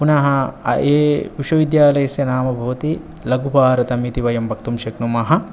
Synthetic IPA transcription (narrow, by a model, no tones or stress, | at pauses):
punaːɦɐɐ̰ʔeːpiʃɐʋid̪jaːlɐjɐsjɐnaːmɐbʱɐʋɐt̪i | lɐɡubaːɾɐt̪ɐmit̪iʋɐjɐmbʱɐk̚t̪umʃɐknumaːɦɐ̆